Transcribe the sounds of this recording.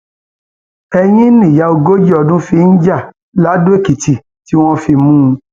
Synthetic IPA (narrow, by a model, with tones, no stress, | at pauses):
ɛ˧j̃ĩ˦nĩ˦˨ja˨˧˦o˧ɡo˦d͡ʒi˦ɔ˧dũ˦fi˧n̩˦d͡ʒa˦˨ | la˨˦du˦e˦˨ki˨ti˨ | ti˦w̃ɔ̃˦fi˧mũ˦˧